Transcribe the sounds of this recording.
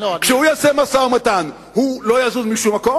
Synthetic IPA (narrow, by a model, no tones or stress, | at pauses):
kʃehujaːsemasaomat̪an | hulojaːzuzmiʃumːako